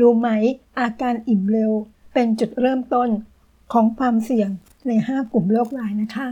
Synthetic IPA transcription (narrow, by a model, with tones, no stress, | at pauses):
duː˧ma˦˥jʔaː˧kaː˧nʔi˨˩mɾe˧wpe˧nt͡ɕu˨˩t̪̚ɾɤː˥˩mt̪o˥˩n | kʰɔː˩˦ŋkʰwaː˧msi˨˩əŋ | na˧jhaː˥˩ku˨˩mloː˥˩k̚ɾaː˧jna˦˥kʰa˦˥